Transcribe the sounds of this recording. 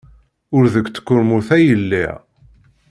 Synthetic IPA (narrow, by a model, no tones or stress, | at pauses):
ʊɾðəkʷːt͡sːə̥kːʊɾmuθæjəlːḭʁ